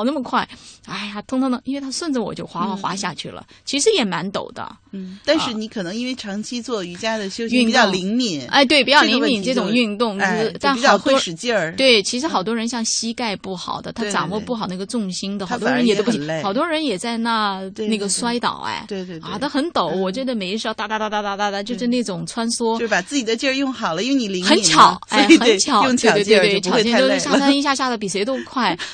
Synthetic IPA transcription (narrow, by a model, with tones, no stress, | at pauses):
nə˥˩mə˩kʰwa˥˩ɪa˥˩ɪja˩t̪ʰʊ˥ŋt̪ʰɑ˧˥ŋd̪ɤ˧i˥nwe˥˩ɪt̪ʰa˥ʂwə˥˧nt͡s̩˥˩wɔ̰˨˩t͡ɕjo˥˩ʊxwa˧˥wə˧˩xwa̰˧˥ɕ̬ja˥˧t͡ɕʰy̰˥˩lə̰˩t͡ɕʰi˧˥ʂɻ̩˧˥jɛ˨˩ma˧˥nt̪o̰˨˩ʊd̪ə̰˦t̪a˥˧nʂɻ̩˥˩ni˧˥kʰɤ˨˩nɤ˧˥ŋi˥nwe˥˩ɪʈ͡ʂʰɑ˧˥ŋt͡ɕʰi˥t͡swɔ˥˩y˧˥t͡ɕja˥d̪ə˨ɕjo˥ʊɕy˥˧ni˨˩jɑ˥˩li˧˥ŋmi˨˩˦na̰˥˧ɪt̪we˥˩ɪpi˧˥˩t͡ɕjɑ˥˧˩li˧˥ŋmi˨˩nʈ͡ʂɤ˥˩ʈ͡ʂʊ˨˩ŋy˥˧nt̪ʊ˥˩ŋ˥˧t̪a˥˩˨ʊ˥ʂɻ̩˧˩t͡ɕə˥˧t̪we˥˩ɪt͡ɕʰi˧˥ʂɻ̩˧˥xɑ˨˩ʊt̪wɔ˥ɻə˧˥nɕjɑ˥˩ŋɕi˥ka˥˧ɪpu˥˩xɑ̰˨˩ʊd̪ə˦t̪ʰa˥ʈ͡ʂa˨˩wɔ˥˧pu˩xɑ˨˩ʊna˥˩ɡə˧ʈ͡ʂʊ˥˩ŋɕi˥nd̪ə˩xt̪ɔ˥ɻə˧˥njɛ˨˩o˥pxɑ˨˩ʊt̪wɔ˥ɻə˧˥njɛ˨˩t͡sa˥˧ɪna˥˧ne˥˩ɡə˩swa˥ɪt̪ɑ̰˨˩ʊɛ̰˥ɪe˥˧a˥˩d̪ə˥xə˧˥nt̪o˨˩˦wɔ˨˩t͡ɕɥɛ˧˥d̪ə˧me˨˩ɪ˧ʂɻ̩˧˥˧t̪a˥˧˩t̪a˥˧˩a˥˩t̪a˥˧t̪a˥˧t̪a˥˩d̪a˥˩t͡ɕjo˥˧ʊʂɻ̩˥˧ne˥˩ʈ͡ʂʊ˨˩ŋt͡sʰwa˥nswɔ˥o˥˧ʂ̩˥pa˨˩t͡sɹ̩˥˩t͡ɕi˨˩d̪ə˧t͡ɕjə˥˧jʊ˥˩ŋxɑ˨˩ʊlə˦i˥we˥˧ni˧˩li˧˥xŋə˧˥ni˨t͡ɕʰjɑ˨˩˦ʊsaɔ˥˧˩xə˧˥n˧t͡ɕʰjɑ˨˩˦jʊ˥˧ŋʰ˥˨˧w̪we˥˩ɪt͡ɕʰt͡ɕɛ˥to˥ʂɻ̩˥˧ɕja˥t̪ʰi˥ɕja˥˧ɕja˥˩də˩p̬i˨˩e˧˥ɪt̪o˥ʊkʰwa˥˩ɪ